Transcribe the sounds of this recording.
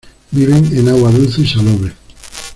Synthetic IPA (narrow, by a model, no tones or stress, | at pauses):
biβenenawaðusiʃaloβe